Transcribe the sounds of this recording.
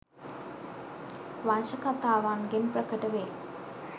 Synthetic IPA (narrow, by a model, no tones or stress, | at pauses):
ʋanʃɐkɐt̪aːʋaːnɡinpɾɐkɐʈɐʋeː